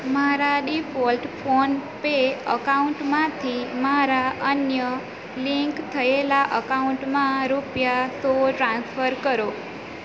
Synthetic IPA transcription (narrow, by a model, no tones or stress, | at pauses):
maɾaɖifɔlʈfʰonpeəkauɳʈmãt̪ʰimaɾaʔənjə | liŋkt̪ʰəelaʔəkauɳʈmãɾupjasoʈɾãnsfəɾkəɾo